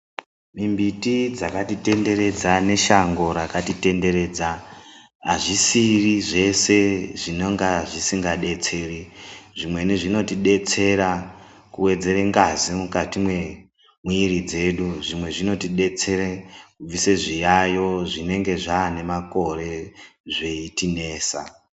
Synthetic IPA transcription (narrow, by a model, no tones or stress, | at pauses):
mimbitid͡zakatite̞nde̞ɾe̞d͡zane̞ʃaŋɡo̞ɾakatite̞nde̞ɾe̞ːd͡za | aʐisiriʐe̞se̞ʐinoŋɡaʐisiŋɡaɗe̞t͡se̞riʐimwe̞niʐino̞tiɗe̞t͡se̞ɾa | kuwe̞d͡ze̞ɾeŋɡazimukatimwe̞ | muiɾid͡ze̞ɗuʐimwe̞ʐino̞tiɗe̞t͡se̞rekub͡viseʐijajo̞ʐine̞ŋɡe̞ʐaːne̞mako̞re̞ʐeitine̞ːsa̰